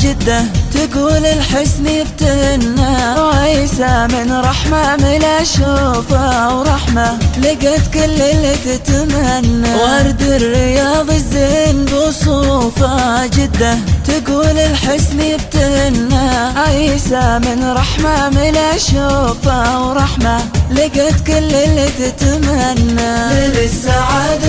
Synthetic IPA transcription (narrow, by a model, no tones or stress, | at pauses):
d͡ʒɪd̪ːat̪ɪɡuːlɪlħɪsmib̚t̪ɪhnːaʕajsamɪnɾˤɑħmamɪlaʃufawɾˤɑħmalɪɡat̪kɪlːɪlːɪt̪ɪt̪amanːawɑɾˤd̪ɪrːɪjɑːðˤɪzːeːnbisˤuːfad͡ʒɪd̪ːat̪aɡuːlɪlħɪsmiɪb̚t̪ɪhɪnːaaʔiːsamɪnɾˤɑħmamɪlaʃoːfawɾˤɑħmalɪɡat̪kʊlːɪlːɪt̪ɪt̪amanːabɪsaʕaːd̪